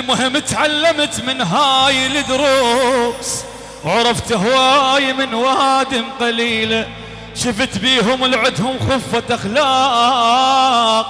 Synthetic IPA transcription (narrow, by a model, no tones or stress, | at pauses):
lmʊhɪmːt̪ʕalːɪmt̪mɪnɦaːjlɪd̪ʊɾuːs | wʕɑɾˤɑft̪ɦwaːjmɪnwad̪ɪmqɑliːl | ʃɪft̪biːɦʊmlʕɪd̪hʊmxʊfːaʔaxlaː | q̚